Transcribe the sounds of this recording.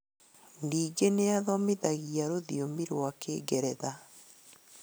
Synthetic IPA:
ndiːɡeneaðɔmeðaɣiaɾoðiomiɾwakeːɡɛɾɛða

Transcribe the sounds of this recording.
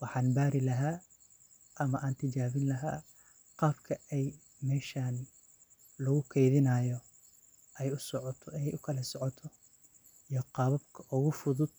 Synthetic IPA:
wɑħɑːnbaːɾɪlɐɦaː | ʔɐmɐʔaːnt̪ʰɪt͡ʃaːβɪnlɐɦa̰ː | qɑːbkʰɐɛj | mɛːʃaːn | lʊɣʊkʰɛjðɪnɐːjɔ | ɛjʊsɔʕt̪ʰɛjʊkʰɐlɐsɔʕɔt̪ʰɔ | ijɔqɑːβɐbkʰɐʔʊɣʊfʊðʊd̪̥̚

